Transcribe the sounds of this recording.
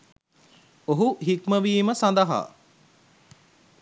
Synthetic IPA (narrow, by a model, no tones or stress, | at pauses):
oɦuɦikməʋiːməsand̪ɐɦa̰